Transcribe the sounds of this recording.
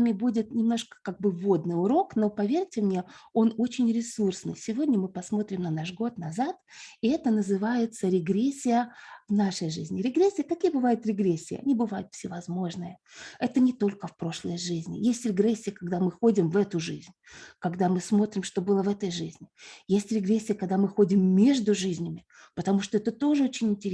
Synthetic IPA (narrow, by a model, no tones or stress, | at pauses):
amʲɪbudʲɪt̪nʲɪmno̞ʂkə̥kaɡ̚bɨvo̞d̪nɨjʊɾo̞kno̞pɐvʲertʲɪmnʲe̞o̞no̞t͡ɕɪnʲɾʲɪsursnɨ̰jsʲɪvo̞dʲnʲəmɨpɐsmo̞t̪ɾʲɪmnɐnaʂɡo̞t̪nɐzat̪ | ɪɛt̪ənəzɨvajɪt̪səɾʲɪɡɾʲesʲːɪjəvnaʂəjʐɨzʲnʲɪɾʲɪɡɾʲesʲːɪjəkɐkʲijəbɨvajʊt̪ɾʲɪɡɾʲesʲːɪ̰ːɐ̰nʲibɨvajʊt̪fsʲɪvɐzmo̞ʐnɨjəɛt̪ənʲɪt̪o̞lʲkəfpɾo̞ʂlˠəjʐɨzʲnʲɪ̰jesʲtʲɾʲɪɡrɛsʲːɪjəkɐɡd̪amɨxo̞dʲɪmvɛt̪ʊʐɨzʲnʲkɐɡd̪amɨsmo̞t̪ɾʲɪmʂt̪o̞bɨlˠəvɛt̪əjʐɨzʲnʲɪjesʲtʲɾʲɪɡɾʲesʲːɪjəkɐɡ̚d̪amɨxo̞dʲɪmːʲeʐd̪ʊʐɨzʲnʲɪmʲɪ | pət̪ɐmuʂt̪oɛt̪ət̪o̞ʐɨot͡ɕɪnʲɪnʲtʲɪɾʲ